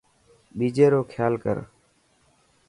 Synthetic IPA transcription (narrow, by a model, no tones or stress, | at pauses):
ɓiːd͡ʒeːɾoːkʰjaːlkə̰ɾ